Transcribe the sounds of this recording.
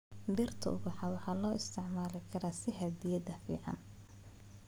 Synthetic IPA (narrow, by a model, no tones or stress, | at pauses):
birt̪ʰɐ̰ʔʊ̰bɑħɑwɑħɑːlɔːʔɪst̪ʰɪʕmaːlɪkʰɐɾaːsɪɦɐd̪ijɐd̪ɐfḭːʕɑ̰n